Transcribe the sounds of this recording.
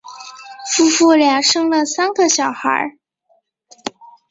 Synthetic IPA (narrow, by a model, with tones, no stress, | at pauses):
fu˥fu˥˩lja˧˩ŋʂɤ˥ŋlə˨sa˥nɡə˧˨ɕjɑ˨˩ʊxə̰˧˥